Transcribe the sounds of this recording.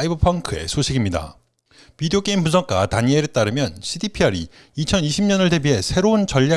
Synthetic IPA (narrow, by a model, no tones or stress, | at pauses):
ibʌpʰaŋkʰɯe̞̰sʰoɕʰiɡimɲida̰ | pideok͈eimpusʰʌk͈̚ataɲieɾɯt͈aɾɯmjʌnɕʰidipʰiʌɾi | it͡ɕʰʌniɕʰimɲʌnɯɭte̞biɦe̞sʰe̞ɾount͡ɕʌʎːa